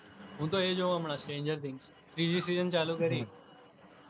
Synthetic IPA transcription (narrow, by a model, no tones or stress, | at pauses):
ɦũːt̪oːeːd͡ʒoːəmɳaːsʈẽːɲd͡ʒəɾt̪ʰɪ̃ŋɡs | t̪ɾiːd͡ʒisiːzənt͡ʃaːluːkəɾẽː